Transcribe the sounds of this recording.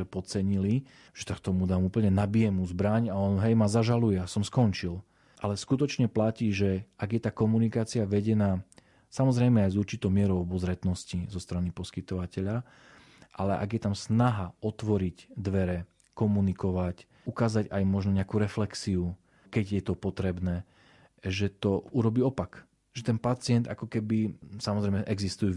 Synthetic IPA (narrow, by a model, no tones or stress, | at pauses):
ɛpɔt͡sɛɲili | ʒ̥ɛsakt̪ɔmud̪aːmuːpl̩ɲɛnabijɛmuːzbɾaɲaɔnɦɛjmazaʒalujɛasɔmskɔnt͡ʃil | ʔalɛskut̪ɔt͡ʃɲɛplaciːʒɛʔaɡjɛt̪aːkɔmunikaːt͡siaʋɛɟɛnaː | samɔzɾɛjmɛajzuɾt͡ʃit̪ɔʊmɪɛɾɔʊɔbɔzɾɛt̪nɔscizɔst̪ɾanipɔskit̪ɔʋacɛʎa | ʔalɛʔa̰ɡjɛt̪amsnaɦaɔt̪ʋɔɾicd̪ʋɛɾɛ | kɔmunikɔʋac | ukaːzaɟajmɔʒnɔɲɛakuːɾɛflɛksiu | kɛɟjɛt̪ɔpɔt̪ɾɛbnɛː | ʒɛt̪ɔuɾɔbiːɔpak | ʒɛt̪ɛnpat͡sɪɛnd̪a̰kɔkɛbisamɔzɾɛjmɛʔɛɡzist̪uju